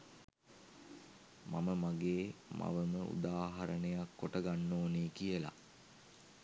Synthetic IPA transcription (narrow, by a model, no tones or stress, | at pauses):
maməmaɡeːma̰ʋəməʔṵd̪aːɦɐɾənejakːoʈəɡanːoːneːkijəla̰